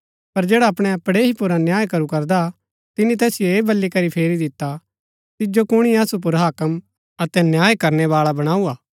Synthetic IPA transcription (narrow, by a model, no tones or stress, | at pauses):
pɐɾd͡ʒeːɽaɐpɽ̃ɛɐpɽeɦipʊɾanjaːjkɐɾukɐɾd̪a | t̪ɪnĩt̪̬ɛːsɪjoeːbɐlːikɐɾipʰeːɾid̪ɪt̪ːa | t̪ɪd͡ʒokʊɽ̃iasup̬ʊɾɦaːkəm | ɐt̪ɛnjaːjkɐɾnɛβaːɭabɐɽ̃aːuaː